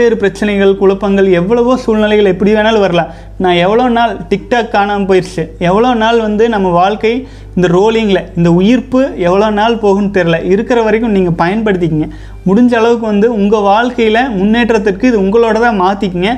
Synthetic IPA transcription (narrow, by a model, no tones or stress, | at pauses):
eːɾɯpɪɾɐt͡ʃːɐnɐɪɣɐɭkʊɭɐpːɐŋɡɐɭɛʋːɐɭɐʋoːsuːlnɪlɐɪɣɐɭɛpːɐɽɪʋeːnaːlʋɐɾɐlãː | nãːɛʋːɐɭoːnaːlʈɪkʈaːkːaːnaːmpoːjɪɾt͡ʃɯɛʋːɐɭoːnaːlʋɐnd̪ɯnɐmːɐʋaːɭkɐɪ | ɪnd̪ɐɾoːlɪŋɡɪlɐɪnd̪ɐʊjɪɾpɯɛʋːɐɭoːnaːlpoːɣɯnt̪ɛɾɪlɐʔɪɾɯkːɪɾɐʋɐɾɐɪkːɯmniːŋɡɐpɐjɐnpɐɽɯt̪ːɪk̬ʲːɯŋɡɐ | mʊɽʊɲd͡ʒɐːɭɐʋɯk̬ːɯʋɐnd̪ɯʊŋɡɐʋaːɭkɐjɪlɐmʊnːeːʈrɐt̪̬ːɪrkɯɪðɯʊŋɡɐɭoːɽɐt̪ãːmaːt̪ːɪkːɯŋɡɐ